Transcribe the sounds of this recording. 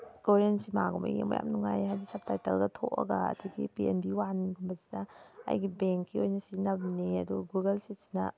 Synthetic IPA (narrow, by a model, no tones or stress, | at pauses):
ɡ̥oɾentsimaɡumɐ̰ɡḭmṵja̰mnuŋajɦajdisɐp̚tajtelɡɐtʰoʔɐ̰ɡɐɐ̰dʰiɡḭpienbiwanɡumbɐzi̥nɐɐ̰jɡibeŋkːiojnɐsinɐb̚niɐduɡɡuɡɐlsisi̥nɐ̰